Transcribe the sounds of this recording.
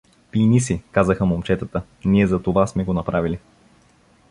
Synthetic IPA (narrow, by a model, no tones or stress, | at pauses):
pinisikazəxəmomt͡ʃɛt̪ət̪ə | niɛzɐt̪ovasmɛɡonɐpɾavili